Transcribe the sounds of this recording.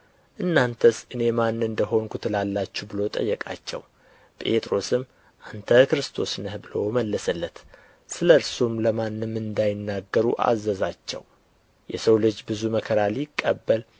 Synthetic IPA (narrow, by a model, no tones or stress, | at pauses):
ʔɨnːant̪ʰəsʔɨne̞manːɨnd̪əɦo̞nkʰut̪ʰɨlalːat͡ʃːubɨlo̞t̪ʼə̰jːɛkʼa̰t͡ʃːɛ̰w | pʼe̞̰t̪ʼɾo̞sɨm | ʔant̪ʰəkɨɾɨst̪ʰo̞snəhbɨloməlːəsəlːət̪ | sɨləɾsumləmanːɨmːɨnd̪ajɪnːaɡːəɾuʔa̰zːəzat͡ʃːɛ̰w | jɛ̰səwlɨd͡ʒbɨzuməkʰəɾalikʼːəbːəl